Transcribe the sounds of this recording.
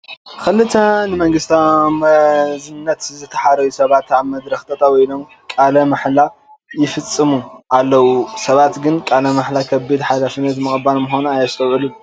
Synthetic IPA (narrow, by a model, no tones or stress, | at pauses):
xɨlːɨt̪ʰɐnɨmɐŋɡɨst̪ʰamɐzɨnːɐt̪zɨt̪ʰɐ̥ħaɾɐjusɐβat̪aβmɐd̪ɾɐxt̪ʼɐt̪ʼawɔjlo̞m | kʼalɐmaħla | jɪfɨt͡sʼːɨmuʔalːɐwusɐβat̪ɡɨnkʼalɐmaħlakʰɐbɨd̪ħajlafinɐt̪mɨxʼɨbalmʊxonuajast̪ʰɐwʕɨlu